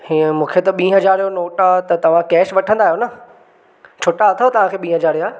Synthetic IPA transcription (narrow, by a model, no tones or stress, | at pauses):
hiə̃mũːkʰet̪ɐɓĩːɦɐd͡ʑaːɾijonoːʈat̪ɐt̪ɐʋ̤ãkɛːʃʋɐʈʰə̃nd̪aːijonɐ | t͡ɕʰoːʈaɐt̪ʰoot̪ɐʋ̤ãkʰeːɓĩːɦɐd͡ʑaːɾijaː